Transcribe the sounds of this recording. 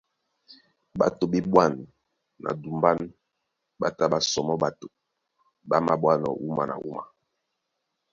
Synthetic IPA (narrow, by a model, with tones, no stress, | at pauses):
ba˨to˨ɓe˦ɓwa˦˨nː | a̰˨du˨mba˦n | ɓa˦ta˦ba˨sɔ˨mɔ˦ɓa˨to˨ | ba˦ma˦ɓwa˦nɔ̰˨ʔu˦ma˨na̰˨ʔu˦ma˨